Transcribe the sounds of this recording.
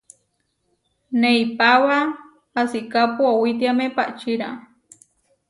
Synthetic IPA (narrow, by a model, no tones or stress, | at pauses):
neipawaː | sikapuawit̪̬iamepa̰ʔt͡ʃiɾa